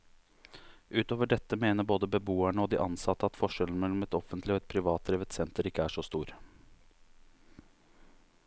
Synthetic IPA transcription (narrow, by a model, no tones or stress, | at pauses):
ʔʉːt̪oːʋəɖɛt̪ːəmeːnəboːd̪əbəbuːæɳəɔd̪ḭːʔɑnsɑt̪ːəɑt̪fɔʂɛln̩mɛlːɔmɛt̪ɔfənt̪lɪɔɛt̪̚pʰɾɪʋɑːt̪̚d̪ɾeːʋət̪sɛnt̪əɾɪkːəæʂɔst̪uːɾ